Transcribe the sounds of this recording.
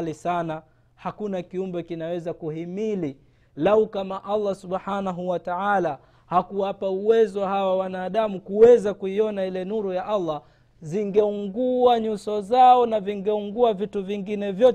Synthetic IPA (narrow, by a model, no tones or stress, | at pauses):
lisana | hakunakiumbɛkinawɛzakuhimili | laukamaʔalˤːasuɓħanaɦuwataʕala | hakuwapauwɛzɔwhawawanaːɗamukuwɛzakuiɔnailɛnuɾujaʔalˤːɑ | ziŋɡɛuŋɡuaɲusɔzaɔnaviŋɡɛuŋɡuavituviŋɡinɛvjɔ